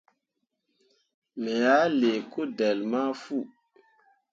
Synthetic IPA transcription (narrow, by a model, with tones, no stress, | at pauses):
mɛ˨ja˦le˨ko˦de˨lma˦fu˦˨